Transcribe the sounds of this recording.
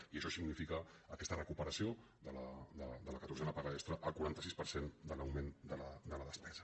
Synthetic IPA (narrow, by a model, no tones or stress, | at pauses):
iəʃɔsiɡnifikəːkɛst̪ərəkupəɾəsio | d̪ələd̪əd̪ələkət̪uɾzɛnəpaɣaɛst̪ɾəʔəlˠkuɾant̪əsispəɾsend̪ələwmend̪ələd̪ələðəspɛzə